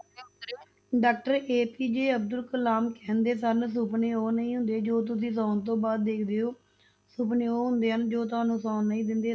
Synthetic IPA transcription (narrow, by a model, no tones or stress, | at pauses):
ɖaːk̚ʈəɾeːpiːd͡ʒeːəbd̪əlkəlaːmkɛ̃ːnd̪eːsəns̬ʊpneːoːnəĩːɦʊ̃nd̪eːd͡ʒoːt̪̬ʊs̬ĩːs̬ɔ̃ːnt̪̬õːbaːd̪̚ːeːkʰd̪eːoː | sʊpneːoːɦʊnd̪eːɦənd͡ʒoːt̪̬ʊaːnũːsɔːnːəĩːd̪ɪnd̪eː